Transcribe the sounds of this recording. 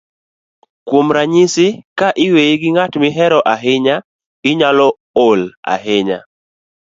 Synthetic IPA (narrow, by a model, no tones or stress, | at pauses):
kwomɾaɲɪsɪkaʔɪweiɡɪŋatmɪɦɛɾɔʔaɦɪɲa | ɡ̥ɪɲalɔ | ola̰ɦɪɲa̰